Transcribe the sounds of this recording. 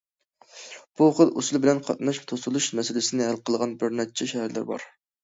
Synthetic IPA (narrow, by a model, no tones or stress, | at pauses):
b̥uχəlˠʔusulˠbɪlɛnqʰɑ̰t̪̚nɑʃt̪ʰosulˠuʃmɛsɪlɪsɪnɪɦælqʰəlˠʁɑnbøɾnɛt̪̚t͡ʃʰɛʃɛhæɾlɪ̰ɾbɑ̰ɾ